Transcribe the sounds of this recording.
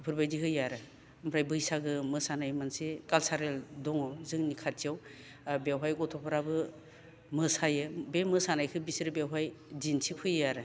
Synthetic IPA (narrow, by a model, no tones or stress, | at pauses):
pʰɯɾbajdiɦɯjaɾɯ | ɯmpʰɾajbɯjsaɡɯmɯsanajmansekalsaɾeldɔŋawzɯŋnikʰatiaw | bawɦajɡɔtʰɔpʰaɾabɯ | mɯsajɯbemɯsanajkʰɯbisiɾɯbjewɦajzinsʰipʰɯjːaɾɯ